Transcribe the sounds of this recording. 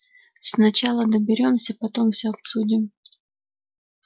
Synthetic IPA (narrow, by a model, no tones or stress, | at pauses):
snɐt͡ɕalˠəd̪əbʲɪɾʲo̞msʲəpɐt̪o̞mfsʲɵɐp̪sudʲɪm